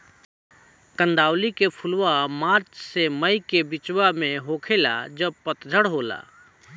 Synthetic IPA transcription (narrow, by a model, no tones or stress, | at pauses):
kə̃nd̪awlikepʰulwamaɾt͡ʃseməjkebit͡ʃwameɦokʰela̰d͡ʒəb̚pət̪d͡ʒʱəɽɦola̰